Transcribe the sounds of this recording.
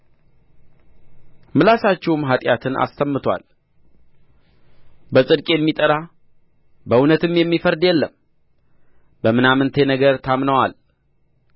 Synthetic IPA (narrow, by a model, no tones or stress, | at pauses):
mɨlasat͡ʃːɛwmɦat̪ʼjat̪ʰɨnʔa̰st̪ʰəmːɨt̪ʰwʷa̰l | bəsʼɨd̪kʼjɛmːit̪ʼəɾa | bəunət̪ɨmjɛmːifəɾd̪jɛlːəm | bəmɨnamɨnt̪ʰenəɡəɾt̪ʰamnəwal